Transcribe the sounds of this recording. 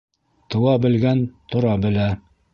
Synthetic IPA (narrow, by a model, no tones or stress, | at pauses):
t̪ɤ̆wɑbɘ̆lɡænt̪ŏɾɑbɘ̆læ